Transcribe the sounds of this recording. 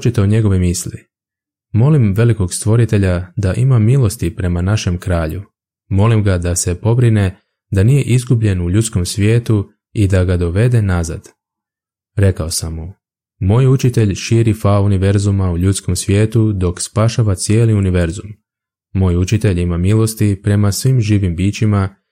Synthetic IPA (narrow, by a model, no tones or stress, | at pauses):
ot͡ʃet̪eoɲe̞ɡo̞ʋemisli | mo̞limʋe̞liko̞ɡst̪ʋo̞ɾit̪e̞ʎad̪aʔimamilˠo̞st̪ipɾe̞manaʃe̞mkɾaːʎu | mo̞limɡad̪ase̞po̞bɾine̞ | d̪anije̞ʔizɡubʎe̞nuʎut̪sko̞msʋje̞ːt̪u | id̪aɡad̪o̞ʋe̞d̪e̞naza̰d̪̥ | ɾe̞kao̞samːu | mo̞ːjut͡ʃit̪e̞ʎʃiːɾifauniʋe̞ɾzumauʎut̪sko̞msʋje̞ːt̪ud̪o̞kspaːʃaʋat̪sje̞ːliuniʋe̞ɾzumː | o̞ːjut͡ʃit̪e̞ʎimamilˠo̞st̪ipɾe̞masʋimʒiːʋimbiːt͡ɕima